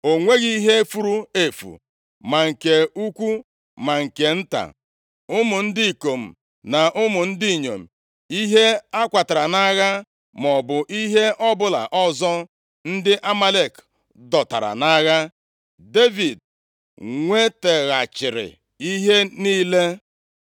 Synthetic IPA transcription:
o˨ŋʷe˦ɣi˦ɦe˦fu˨ɾu˦e˨fṵ˨ | ma˨ŋ̩˨ke˨u˦kʷu˦ | ma˨ŋ̩˨ke˨n̩˦ta̰˨ | ʊ˦mʊ˨n̩˦di˦i˨ko˨m̩˨ | na˨ʔʊ˦mʊ˨n̩˦di˦˨ɲo˨m̩˨ | i˦ɦe˦a˦kʷa˨ta˨ɾa˨na˦ɣa˦ | mɔ˨bʊ˨ʔi˦ɦe˦ʔɔ˦bʊ˦la̰˨ʔɔ˦zɔ˦ | n̩˦dɪ˦ʔa˦ma˦le˨k | dɔ˨ta̰˨ɾa̰˨na˦ɣa˦ | de˦vi˨d̚ | ŋʷe˦te˨ɣa˨t͡ʃɪ˨ɾɪ̰˨ | i˦ɦe˦niː˦le˦

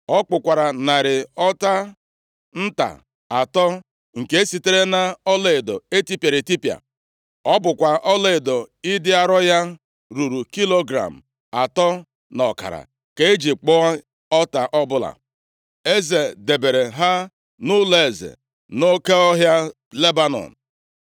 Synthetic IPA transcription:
ɔ˦k͡pʊ˨kʷa˨ɾa˨na˨ɾɪ˨ɔ˦ta˦ | n̩˦ta̰˨ | a˨tɔ˦ | ŋ̩˨ke˦e˦si˨te˦ɾe˦na˦ɔ˦le˦˨e˨do˨e˦ti˦pja˨ɾe˨ti˦pja̰˨ | ɔ˦bʊ˨kʷa˨ʔɔ˦le˦e˨do˨ɪ˦dɪ˦a˦ɾɔ˦ja˦ | ɾu˨ɾu˨ki˦lo˦ɡɾa̰˨m̩˨ | a˨tɔ˦ | nɔ˨ka̰˨ɾa̰˨ | ke˦e˦d͡ʒi˨k͡pɔ˦a˦ | ɔ˦ta˨ʔɔ˦bʊ˦la̰˨ | e˦ze˨de˨be˨ɾe˨ɦa˦ | nʊ˦le˨e˨zḛ˨ | no˦ke˦ɔ˦ɦja˦ | le˦ba˦nɔ̰˨n̩˨

